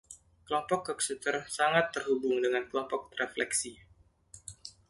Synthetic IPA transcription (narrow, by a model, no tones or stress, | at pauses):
kəlɔmpɔkːɔksut̪ərsaŋat̪ːərɦubʊŋdəŋankəlɔmpɔk̪̚reflɛksi